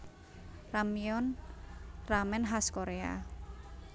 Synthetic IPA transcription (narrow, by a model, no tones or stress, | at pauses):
ramiɔn | ramɛnɦaskoɾea̰